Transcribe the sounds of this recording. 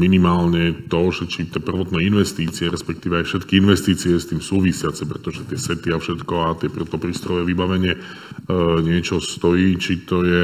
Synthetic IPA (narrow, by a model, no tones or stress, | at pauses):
minimaːlɲɛt̪ɔʒɛt͡ʃit̪ɛpr̩ʋɔt̪nɛinʋɛst̪iːt͡siɛɾɛspɛk̚t̪iːʋɛajfʃɛt̪kiinʋɛst̪iːt͡siɛst̪iːmsuːʋisɪat͡sɛpɾɛt̪ɔʒɛt̪ɪɛsɛt̪iafʃɛt̪kɔat̪ɪɛprt̪ɔpɾiːst̪ɾɔjɛʋibaʋɛɲɪɛ | ɲɪɛt͡ʃɔst̪ɔiːt͡ʃit̪ɔjɛ